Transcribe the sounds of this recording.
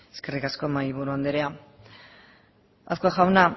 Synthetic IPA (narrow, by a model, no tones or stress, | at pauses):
e̥ske̞rikasko̞majβ̞uɾuand̪eɾea | a̰θkoaxawna